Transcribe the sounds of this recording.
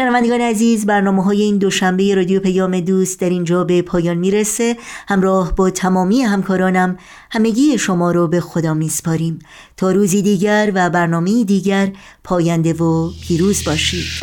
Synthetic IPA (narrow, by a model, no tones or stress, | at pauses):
ʃenævænd̪eɒːneæziːzbæɾnɒːmeɦɒːje̞iːnd̪o̞ʃæmbe̞je̞ɾɒːd̪ijopʰæjɒːme̞d̪uːst̪̚d̪æɾiːnd͡ʒɒːbe̞pʰɒːjɒːnmiːɾese̞hæmɾɒːhbɒːt̪ʰæmɒːmiːeɦæmkʰɒːɾɒːnæm | hæme̞ɟiːeʃo̞mɒːɾobe̞xo̞d̪ɒːmiːspʰɒːɾiːm | t̪ʰɒːɾuːziːd̪iːɟæɾvæbæɾnɒːme̞iːd̪iːɟæɾ | pʰɒːjænd̪e̞vopʰiːɾuːzbɒːʃiːd̪̥